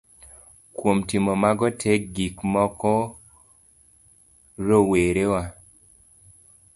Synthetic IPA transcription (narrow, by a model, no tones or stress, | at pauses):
kwomtimomaɡɔtʰek̚ɡikmɔkɔ | ɾoweɾewa